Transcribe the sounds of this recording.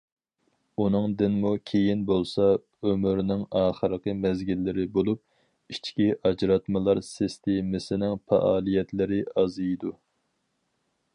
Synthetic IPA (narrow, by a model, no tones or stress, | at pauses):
unɨŋd̪ɪnmukʲʰejinbolˠsɑ | ømyɾnɪŋɑːχəɾəqəmɛzɡʲilːɪɾɪbolˠup̚ | it͡ʃkʲiʔɑd͡ʒɾɑt̪mɨlˠɑɾsist̪ʰemɪsɪnɪŋfɛ̰ʔɑːlˠijɛt̪lɪɾɪɑzɨjd̪u